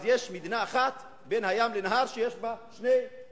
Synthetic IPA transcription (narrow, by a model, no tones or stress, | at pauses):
zjeʃmid̪naːχat̪ | benhajamlenaɦaʁʃejeʃbaʃnej